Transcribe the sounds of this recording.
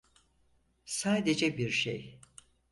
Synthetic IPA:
saːd̪e̞d͡ʒɛbiɾʃḛj

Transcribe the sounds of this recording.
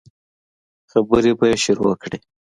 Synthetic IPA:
xabəɾebajeʃʊɾowa̰kɽe

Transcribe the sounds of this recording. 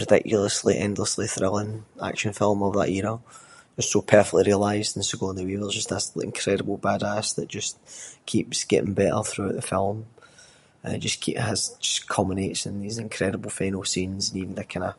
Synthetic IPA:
ɹ̥ədɪ̰kjl̩ˠəslˠiʔɛ̰̃ndˡlˠəslˠiθɹɪlˠɪ̃na̰kʃə̃nfɪlˠmovəðə̰ʔiɹə | d͡ʒʌstsopʰɜ˞fɛk̚lˠiɹiəlˠaɪzdə̃n̩soɡoə̃nðəwewəzd͡ʒʌsðəsɪ̰̃nkʰɹ̥ɛɾəbəl̩ˠbadasðəʔd̥ʒ̥ʌskʰipsɡ̥ɛ̰ʔɪ̰̃ŋbɛʔə̰˞θɹʉəʔðəfɪlˠm | əd͡ʒʌskʰiʔəz̥d͡ʒʌskʰɔ̃məneʔsə̃nðizɪ̃nkʰɹ̥ɛɾəbəl̩ˠfãɪnosĩnzə̃nivn̩ðəkʰãnə

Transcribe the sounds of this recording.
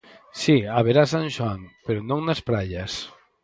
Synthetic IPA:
siaβeɾasanʲʒwaŋpeɾonõŋnaspɾaʎas

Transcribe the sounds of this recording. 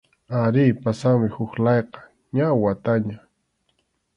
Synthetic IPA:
aɾiːpasaŋmɪhʊxlɑjqɑ̥ | ɲawat̪aɲa

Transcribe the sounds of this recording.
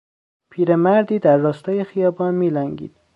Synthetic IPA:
pʰiːɾemæɾd̪iːd̪æɾːɒːst̪ʰɒːjexijɒːbɒːnmiːlæŋɡḭːd̪̥

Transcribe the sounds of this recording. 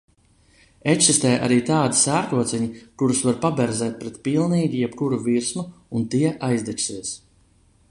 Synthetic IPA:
ekʲsist̪ɛːjʔa̰ɾiːt̪aːd̪i̥sæːɾkuɔt̪sʲɛɲikuɾusvaɾpabɛɾzɛːt̪̚pɾɛt̪pilˠniːɡʲijɛpkuɾuviɾsmuunt̪iɛʔajzd̪ɛt͡ʃsiɛs

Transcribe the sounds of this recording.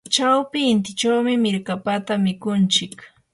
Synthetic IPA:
t͡ʃawpɪːnt̪̬ɪt͡ʃawmɪmɪɾkapat̪amɪkʊnt͡ʃɪk

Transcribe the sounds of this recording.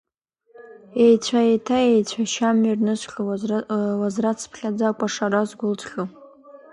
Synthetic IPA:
ejt͡ɕʷʰajetʰaejt͡ɕʷʰaʃamirnɨsʷχʲa | wazrat͡sʰpʰχʲad͡zakʷʼaʂaɾazɡʷʊlt͡sʰχʲu

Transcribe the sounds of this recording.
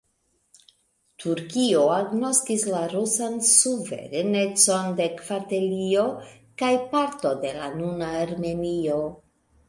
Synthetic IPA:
tʰuɾkio̞aɡno̞skislaɾusansuvḛɾene̞t͡so̞nde̞kvate̞lio̞ | kajpaɾto̞de̞la̰nunaːɾme̞nio̞

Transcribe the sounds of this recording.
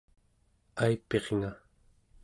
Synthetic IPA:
ajpe̞ʁŋa

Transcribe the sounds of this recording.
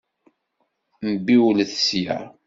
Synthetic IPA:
mbiwlθsjæ̰

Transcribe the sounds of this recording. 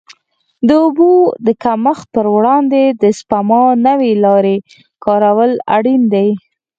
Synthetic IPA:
d̪əubud̪əkaməx̚pəɾwɽɑnd̪ed̪əspamɑnəwelɑɾe | kɑɾawəla̰ɽind̪aj

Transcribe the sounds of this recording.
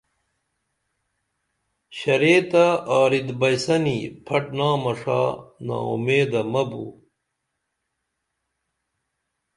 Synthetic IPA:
ɕɐɾeːt̪aaːɾid̪bɐjsɐnipʰɐʈnaːmɐʂa̰ːna̰ːṵmeːd̪ɐmɐbṵ

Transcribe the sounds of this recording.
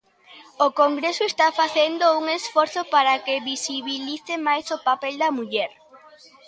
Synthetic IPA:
okoŋɡɾesoest̪afaθend̪ouŋesfɔɾθopaɾakeβisiβiliθemajsopapeld̪ɐmuʎɛɾ

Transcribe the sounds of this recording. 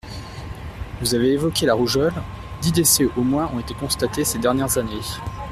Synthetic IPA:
vuzaveːvɔkʲelaʁuʒɔl | d̪id̪esɛʔomwɛ̃ʔɔ̰̃et̪ekɔ̃st̪at̪esed̪ɛʁnjɛʁzane

